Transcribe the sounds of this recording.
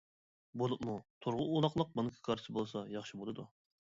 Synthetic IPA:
bolˠup̚mut̪ʰuɾʁʊulˠɑχlˠəq̚bɑnɨkʲʰi̥kʰɑɾʰsɨbolˠsɑjɑχʃibolˠɨd̪u

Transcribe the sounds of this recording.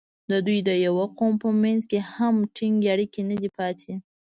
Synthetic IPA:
d̪əd̪ujd̪əjawaqompəmanzkehamʈʰiŋɡaɽikenəd̪ipɑt̪ʰe

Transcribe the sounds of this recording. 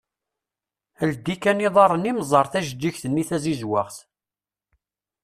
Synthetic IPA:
əld̪ikæniðˤɑrˤənimzˤɑɾˤθæʒd͡ʒ̪ːiçθənːiθæzizwaʁθ

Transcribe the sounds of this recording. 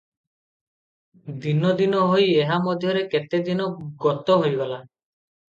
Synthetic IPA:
d̪inɔd̪inɔɦojeɦamɔd̪ʱjɔɾeket̪ed̪inɔɡɔt̪ɔɦojɡala

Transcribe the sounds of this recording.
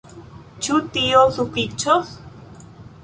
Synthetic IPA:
t͡ʃut̪ijoɬupit͡ʃos

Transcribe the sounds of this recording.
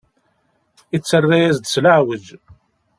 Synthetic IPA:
it͡sːərːajæzd̪slaʕwəd͡ʒ

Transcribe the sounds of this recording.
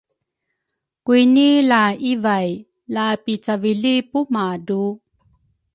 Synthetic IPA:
kuinilaivaj | lapit͡saviɮipumadu

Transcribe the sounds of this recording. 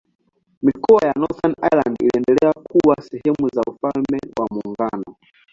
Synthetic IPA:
mikɔwajanɔθanajlandḭliɛndɛlɛakʰuwasɛhɛmuzaufalmɛwamuŋɡanɔ

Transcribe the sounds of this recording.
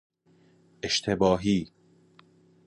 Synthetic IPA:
ʔeʃt̪ʰe̞bɒːɦiː

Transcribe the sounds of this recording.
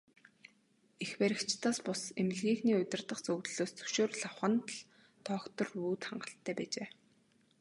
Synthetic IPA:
expæɾʲɪ̆kt͡ɕt̪aːspʊsem̆ɮɣiːxniːʊt̪ʲɪ̆rt̪ə̆qt͡sɵwt̪ɮoːst͡sɵ̥ʃoːrɮawχə̆nt̪ɮ | t̪ʰɔːkt̪ɞ̆ruːt̪χa̰ɴɢə̆ɬt̪ʰːæːpæːt͡ɕeː

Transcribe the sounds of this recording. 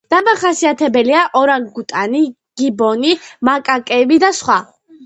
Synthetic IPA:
d̪̥amaχasiat̪ʰɛbɛliaʔɔɾaŋɡut̪ʼani | ɡ̥ibɔnimakʼakʼɛbid̪asχwa

